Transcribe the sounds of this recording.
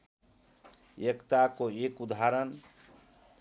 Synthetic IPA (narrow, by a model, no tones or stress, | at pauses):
ekt̪akoekud̪ʱaɾən